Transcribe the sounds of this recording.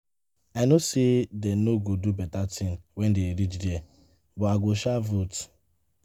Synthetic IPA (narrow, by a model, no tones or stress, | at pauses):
anosedenoɡodubɛtatʰĩŋwɛndeɾit͡ʃde | bɔaɡoʃavut